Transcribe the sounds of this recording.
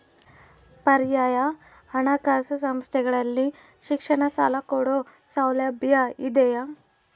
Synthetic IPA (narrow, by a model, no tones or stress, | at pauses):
pɐɾjaːja | ɐɳakasusɐmst̪ʰɛɡɐɭɐlːi | ʃikʂɐɳɐsa̰ːlakoɽo | sawlɐbjaid̪ɛja